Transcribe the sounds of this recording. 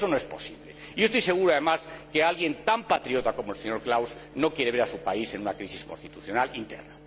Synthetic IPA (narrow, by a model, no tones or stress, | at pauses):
sonoespo̞siβlḛ | iost̪ojse̞ɣ̞uɾoaðemaskealɣje̞nt̪ampat̪ɾio̞t̪ako̞moelseɲo̞ɾklawsno̞kje̞ɾeβe̞ɾasupaise̞nunakɾisiskonst̪it̪uθjo̞nalint̪ḛɾna